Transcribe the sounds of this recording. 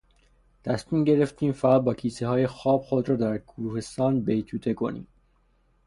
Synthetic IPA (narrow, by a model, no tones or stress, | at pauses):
t̪ʰæsmiːmɟe̞ɾe̞ft̪ʰiːmfæʁæd̪̚bɒːcʰiːseɦɒːje̞xɒːb̥̚χod̪ɾɒːd̪æɾɡuɾuːhe̞st̪ɒːnbe̞jt̪ʰuːt̪ʰe̞kʰo̞̰nḭːm